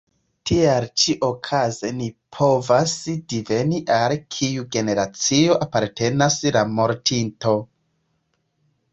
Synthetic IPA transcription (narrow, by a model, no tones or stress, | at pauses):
tialt͡ʃiʔokʰazenipʰo̞vasdive̞niʔalkʰijuɡe̞ne̞ɾat͡sio̞ʔapaɾte̞naslamo̞ɾtʰinto̞